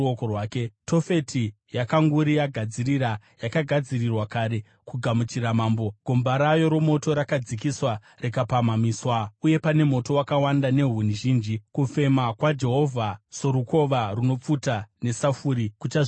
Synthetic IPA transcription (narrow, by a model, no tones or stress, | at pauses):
okorwaːke̞to̞fe̞tʰi | jakaŋɡuɾijaɡʱad͡ziriɾa | jakaɡʱad͡zirirwakaːɾe̞ | kuɡʱamut͡ʃiɾamaːmbo̞ɡ̥ʱo̞mbaɾajo̞ɾomo̞to̞ɾakad͡zikiswa | rekapamamiːswauje̞pane̞mo̞to̞wakawandane̞ɦuniʒiːnd͡ʒikufe̞makwad͡ʒe̞ɦo̞vʱaso̞ɾuko̞ʋaruno̞p͡futane̞safuːɾikut͡ʃaʐ